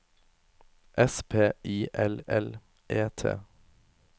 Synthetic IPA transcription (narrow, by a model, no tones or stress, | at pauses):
ʔɛspʰeːiːʔɛlɛl | ʔeːt̪ʰḛː